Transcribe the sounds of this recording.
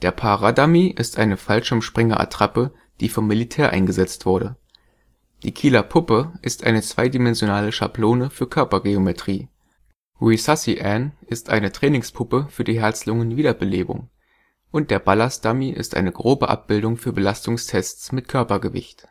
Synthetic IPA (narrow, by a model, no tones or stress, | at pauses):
d̥eːɐpʰaʁadamiʔɪstʔaɪnəfalʃʊmʃpʁ̥ɪŋɐʔa̰tʁ̥apə | d̥iːfɔmːilitʰɛːɐʔa̰ɪnɡəzɛt͡stv̥ʊɐɾə | d̥iːkʰiːlɐpʰʊpəʔɪstʔa̰ɪnət͡sv̥a̰ɪdimɛnzjonaːləʃa̰ploːnəfyːɐkʰœɐpɐɡeometʁ̥iː | ʁuisasiʔɛnɪstʔa̰ɪnətʁ̥ɛːnɪŋspʰʊpəfyːɐdiːɦɛɐt͡slʊŋənviːdɐbəleːbʊ̰ŋ | ʔʊnt̚d̥eːɐbalasd̥amiʔɪ̰stʔa̰ɪnəɡʁoːbəʔa̰p̚b̥ɪldʊŋfyːɐbəlastʊŋstʰɛst͡smɪt̚kʰœɐpɐɡəvɪ̰çt